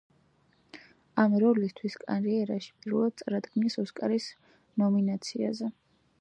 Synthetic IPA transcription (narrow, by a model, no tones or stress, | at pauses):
amɾɔlist̪ʰwiskʼa̰nɾiɛɾaʃi̥pʼiɾvɛlad̪t̪sʼɾad̪ɡnisɔskʼaɾis | nɔminat̪sʰiazɛ